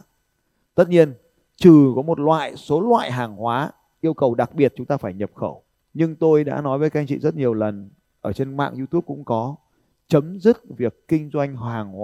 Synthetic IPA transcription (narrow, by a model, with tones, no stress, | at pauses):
t̪ə˦˥t̚ɲi˧ən | t͡ɕɨ˨˩kɔ˨˦mo˨˩t̚lwa̰ː˧˨jso˨˦lwa̰ː˧˨jɦaː˨˩ŋhwaː˨˦ | ʔi˧əwkə˨˩wɗa˨˩k̚ɓi˨˩ət̚t͡ɕʊ˨˦ŋ͡mt̪aː˧faː˧˩jɲə˨˩p̚xə˧˩w | ɲɨ˧ŋt̪o˧jɗa̰ː˧˥nɔ˨˦jvəː˨˦jka˧jŋt͡ɕḭ˧˨zə˦˥t̚ɲi˨˩əwlə˨˩n | ʔəː˧˩t͡ɕe˧nma̰ː˧˨ŋzu˧t̪u˦˥əp̚kʊ̰˧˥ŋ͡mkɔ˨˦ | t͡ɕə˨˦mzɨ˦˥t̚vi˨˩əkːï˧ŋ̟zwa˧jŋ̟ɦaː˨˩ŋw